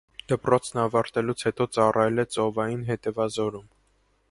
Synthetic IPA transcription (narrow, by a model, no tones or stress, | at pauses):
d̪̥əpɾɔt͡sʰnɑvɑɾt̪ɛlut͡sʰhɛt̪ɔt͡sɑrʔɑjɛlɛt͡sɔvɑjinɦɛt̪ɛvɑzɔɾum